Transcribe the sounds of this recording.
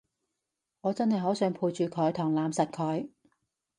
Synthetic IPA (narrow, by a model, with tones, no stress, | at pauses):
ŋɔː˨˧t͡sɐ˥nhɐ˨jɦɔː˨˥wsœː˨˥ŋpʰuː˧jt͡ʃyː˨˧kʰœː˨˧jt̪ʰʊ˨˩ŋlaː˨˧msɐ˨t̚kʰœː˨˧j